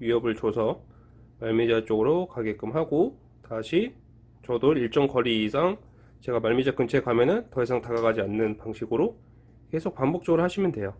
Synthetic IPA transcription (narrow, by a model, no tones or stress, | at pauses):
ɥiɦʌbɯɭt͡ɕosʰʌ | maɭmid͡ʑat͡ɕ͈oɡɯɾokaɡe̞k͈ɯmɦaɡo | taɕʰi | t͡ɕʌdoɾiɭt͡ɕ͈ʌŋkʌɾiːsʰaŋ | t͡ɕe̞ɡamaɭmid͡ʑak͈ɯnt͡ɕʰe̞kwamjʌnɯntʌisʰaŋtaɡaɡad͡ʑianːɯnpaŋɕʰiɡɯɾo | ke̞sʰok̚p͈ambok̚t͡ɕ͈ʌɡɯɾoɦaɕʰimjʌndwe̞jo